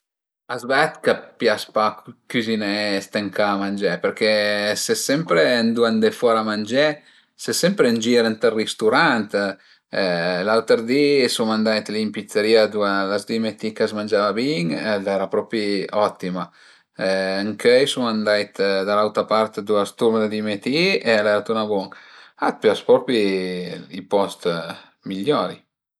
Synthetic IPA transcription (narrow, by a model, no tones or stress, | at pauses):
azbɛt̪kapjaspakkyzinest̪eŋkaːmand͡ʒɛpeɾkesesɛmpɾend̪uand̪efɔɾamand͡ʒɛ | sesɛmpɾend͡ʒiɾənt̪erːist̪uɾant̪ | lalt̪eɾd̪isumand̪ajt̪limpit̪sːeɾiːad̪ualasd̪imet̪ikazmand͡ʒaːvabiŋlɛɾapɾɔpɾiɔt̪ːima | ŋkʰɛjsumand̪ajt̪d̪alawt̪apart̪d̪uast̪uɾmad̪ad̪imet̪ielɛɾat̪unabɔŋkat̪̚pjaspɾɔpɾi | ipɔst̪ | miʎːɔːɾḭ